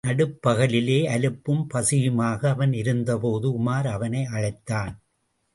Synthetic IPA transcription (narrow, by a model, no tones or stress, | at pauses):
nɐɽɯpːɐɣɐɭɪleːɐlɯpːɯmpɐsɪjɯmaːɣɐːʋɐnɪɾɯnd̪ɐpoːðɯʊmaːɾɐʋɐnɐɪɐɻɐɪt̪ːaːn